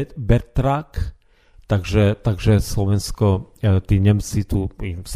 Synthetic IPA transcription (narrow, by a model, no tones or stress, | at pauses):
bɛɾt̪ɾak | t̪aɡʒɛt̪aɡʒɛslɔʋɛnskɔt̪iːɲɛmt͡sit̪uis